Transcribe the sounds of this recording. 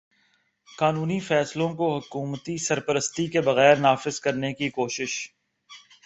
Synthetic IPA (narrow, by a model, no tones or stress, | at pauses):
kaːnuːnifɛːslõkoɦʊkuːmt̪isɐɾpəɾəst̪ikebɐɣɛːɾnaːfɪzkɐɾnekikoːʃɪʃ